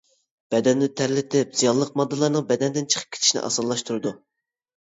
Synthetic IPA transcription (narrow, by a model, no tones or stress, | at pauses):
b̥ɛd̪ɛnːɪt̪ʰæɾlɪt̪ʰɪpz̥ijɑllˠːəq̚mɑd̪ːɨlˠɑɾnɨŋbɛd̪ɛnd̪ɪnt͡ʃʰə̥qʰə̥p̚kʲe̥t̪ʰi̥ʃinɪ̰ʔɑ̰sɑlːˠɑʃt̪ʰuɾɨd̪u